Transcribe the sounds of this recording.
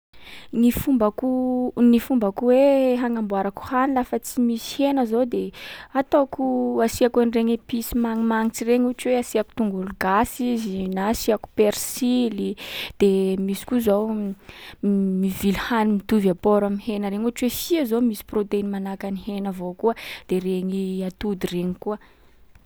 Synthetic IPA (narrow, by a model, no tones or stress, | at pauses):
nifumbakunifumbakuweɦaŋambwaɾaku̥hanilafət͡simisi̥henəzod̪eat̪okuasiakanreɲwepisimaŋimaŋit͡sireɲuaʈ͡ʂweasiaku̥t̪uŋɡuluɡasizinasiaku̥peɾsilid̪̥emisi̥kuzow | mivilhanimit̪uvapoɾamihenəɾeɲuaʈ͡ʂwesiazomisi̥prot̪einimanakanihenəvokuəd̪̥ereɲiat̪ud̪ireɲikuə